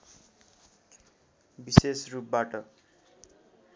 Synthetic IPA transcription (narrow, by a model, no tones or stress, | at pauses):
bisesrup̚baʈʌ